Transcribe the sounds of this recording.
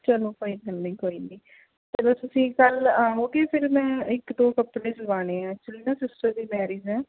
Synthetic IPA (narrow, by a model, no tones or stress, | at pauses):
t͡ʃəlõːkoːiːkəlnĩːkoːiːniː | tt̪eːbəsʊsĩːkəlãoːkeːpʰɪɾmɛ̃ːɪkd̪oːkəpːɽeːd͡ʒɪlʋaːneːãːt͡ʃɪlnãːsɪsʈəɾd̪iːmɛːɾiːd͡ʒɛ̃ː